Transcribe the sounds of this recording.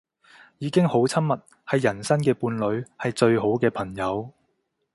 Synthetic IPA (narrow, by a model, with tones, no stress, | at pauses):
jiː˨˧kɪ˥ŋho˨˥wt͡sʰɐ˥mmɐ˨t̚ | hɐ˨jːɐ˨˩nsɐ˥nkɛː˧puː˧nlɵ˨˧ɥhɐ˨jt͡ʃɵ˧ɥɦo˨˥wkɛː˧pʰɐ˨˩ŋjɐ˨˧w